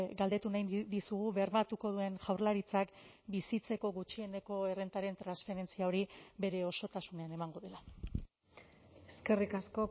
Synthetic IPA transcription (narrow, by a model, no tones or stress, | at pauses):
ɡald̪e̞t̪unajnd̪isuɣ̞uβe̞rmat̪uko̞ðue̞nʝawɾlaɾit͡sak | bisit͡se̞ko̞ɣut͡ʃie̞ne̞ko̞e̞re̞nt̪aɾe̞nt̪ɾansfe̞ɾe̞nt͡siao̞ɾibe̞ɾe̞o̞so̞t̪asune̞ane̞maŋɡo̞ðe̞la | eske̞rikasko̞